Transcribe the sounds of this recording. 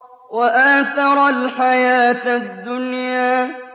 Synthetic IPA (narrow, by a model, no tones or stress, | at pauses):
waʔaθɑɾˤɑlħajaːt̪d̪ːʊnjaː